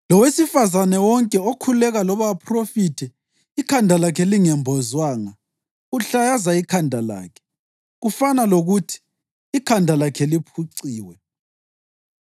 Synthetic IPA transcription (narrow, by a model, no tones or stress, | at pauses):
lɔwesifazanɛwɔŋkʼɛokʰullɛɣalɔβapʰrofiːtʰɛ | ikʰandʱalakʰɛliŋɛmbʱɔzwaːŋa | uɬajazaikʰandʱala̰ːkʰɛ̥ | ɣufanaloɣutʰi̥ː | kʰandʱalakʰɛlipʰuǀiːwɛ